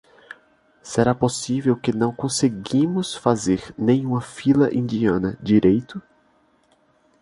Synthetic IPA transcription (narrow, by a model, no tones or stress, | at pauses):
seɾaposivewkɪnɐ̃w̃kõseɡĩmʊsfazeɾnẽj̃ũmɐfilɐʔĩnd͡ʒiɐ̃nɐd͡ʒiɾejt̪ʊ